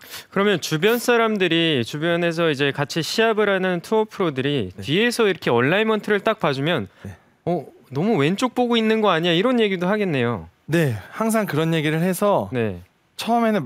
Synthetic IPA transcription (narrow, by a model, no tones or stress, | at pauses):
kɯɾʌmjʌnt͡ɕubjʌnsʰaɾamdɯɾit͡ɕubjʌne̞s̬ʰʌid͡ʑe̞kat͡ɕʰiɕʰiabɯɾanɯntʰuʌpʰɯɾodɯɾiɥie̞sʰʌiɾʌkʰe̞ʌnːainmʌntʰɯɾɯɭt͈ak̚p͈ad͡ʑumjʌn | ʌ | nʌmuwe̞nt͡ɕ͈ok̚p͈oɡoinːɯnɡʌaɲiɲaiɾʌnje̞ɡidoɦaɡe̞nːe̞jo̰ne̞haŋs̬ʰaŋkɯɾʌnje̞ɡiɾɯɭhe̞sʰʌne̞̰ | t͡ɕʰʌʌme̞nɯ